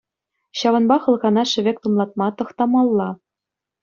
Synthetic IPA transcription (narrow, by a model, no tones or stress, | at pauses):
ɕɑvɤ̆nbɑχɤ̆lˠɣɑnɑʃɘ̆βʲek̚t̪umlˠɑt̪̚mɑt̪ɤ̆χt̪ɑmɑlˠːɑ